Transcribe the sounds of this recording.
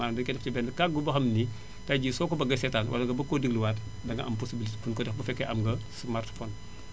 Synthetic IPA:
aːdɐkɛtːftibɛːndɐkak̚ɡubɐxɐmni | taɟiːsɔːkɔbɐɡɐsɛtaːnwʔɐ̰lɐɡɐbɐkːodiɡluwaːt | dɐŋɡɐʔɐmpɔsibilitfunkɔdɛxbɐfɛkːɛʔɐmɡɐsmartfɔːn

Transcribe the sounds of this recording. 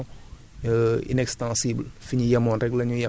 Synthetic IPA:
ḭnɛkstãsiblfiɲujɐmɔ̃nɾɛɡlɐɲujɐ

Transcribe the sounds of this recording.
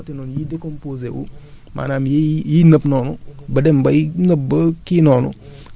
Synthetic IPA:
tinonjidekompozḛwṵ | mʔa̰namjejinəbnonubədembajinəb̚bəkinonṵ

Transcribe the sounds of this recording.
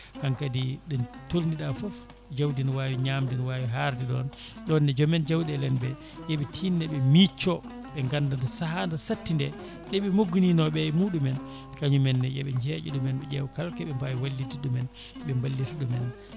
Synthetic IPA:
haŋkadiɗɔntolniɗafɔf | d͡ʒawdinwawiɲaːmdinwaːwiɦaɾdiɗɔ̰nɗɔnːɛd͡ʒɔmɛnd͡ʒawdɛlɛnbɛ | jɛɓɛtʰiːnːɛɓɛmit͡ʃːɔ | ɓɛŋɡandandɔsaɦandasatːindɛ | ɗɛɓɛmoɡːuninɔɓɛmuːɗumɛn | kaɲumɛnːɛjɛ̰ɓɛɲd͡ʒɛd͡ʒṵɗɔmɛnɓɛd͡ʒɛwkalkɛɓɛmbawiwalːitiɗɔmɛn | ɓɛmbalːituɗɔmɛn

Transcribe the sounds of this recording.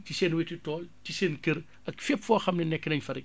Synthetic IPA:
tiseːnwetitɔːltiseːnkəɾ | ɐkfepfɔːxɐmnɛnɛkːənɐɲfɐɾɛk

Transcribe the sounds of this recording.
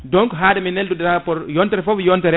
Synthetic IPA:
dɔŋkɦadaminɛldudapɔɾjɔntɛɾfɔvjɔntɛɾ

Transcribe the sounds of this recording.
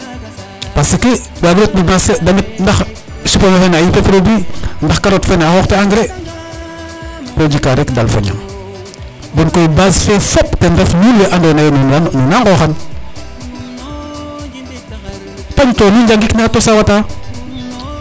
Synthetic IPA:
pasike | waɡɾot̚nibasedanit̚ndax | ʃiponoxenajipefɾobindaxkaɾotfenaxoxteaŋɡɾe | pod͡ʒikaɾekdalfo̰ɲa̰ŋ | bonkojbasfefoptendefnuljeʔandonajenonnonaŋɡoxan | paɲtonid͡ʒaŋɡiknatosawata

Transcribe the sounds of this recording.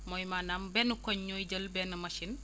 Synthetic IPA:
mojmaːnaːmbɛnukoɲːoiɟəlbɛːnɐmɐʃin

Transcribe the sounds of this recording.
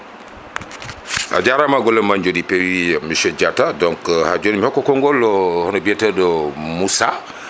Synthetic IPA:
ʔa̰ɟaɾamaɡɔləmaɲɟɔdipɛwimisɛɟatadɔŋkhaɟɔnmihɔkːɔkɔŋɡɔlːɔhɔnɔbɛtədɔmusa

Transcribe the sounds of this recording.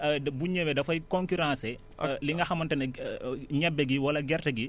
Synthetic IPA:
dbuɲːewɛdɐfɐjkɔ̃ŋkyɾãːsɛ | liŋɡɐxɐmɐntɐn | ɲɛbːɛɡiwɐlɐɡɛrtɐɡi

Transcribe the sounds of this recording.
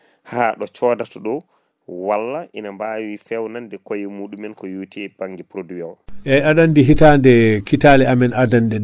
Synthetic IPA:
haɗɔt͡ʃɔdatɔɗɔ | walːaʔinambawifɛwnandɛkojimuːɗumɛnkɔjuːtʰɛb̥aŋɡipɾoduawʔɛadandiɦitandɛkʰitalɛamɛnʔadandɛ

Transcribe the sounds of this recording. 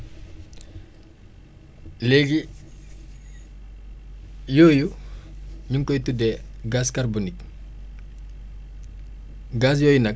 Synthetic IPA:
leɡi | jɔːju | ɲuŋkɔjtudɛɡaːskarbonik̚ | ɡaːs̬jɔːjunɐk̚

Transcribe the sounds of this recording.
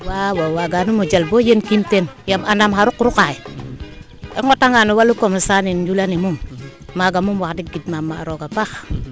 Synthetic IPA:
wawawaɡanumod͡ʒalbojenkimtenjamanamɦaɾukuɾukaji | ḛŋotaŋanuwalukomasanind͡ʒulanimum | maɡamumwakdik̚ɡidmamːaɾoɡabax

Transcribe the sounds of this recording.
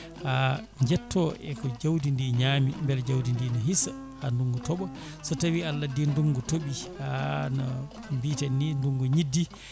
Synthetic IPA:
ha | ɲd͡ʒɛtʰːɔʔɛ̰kɔd͡ʒawdindiɲaːmḭmbɛld͡ʒawdindinɔɦisa | handuŋɡutɔɓɔ | sɔtawialːadinduŋɡutoɓianɔ | mbitanːinduŋɡuɲidːi

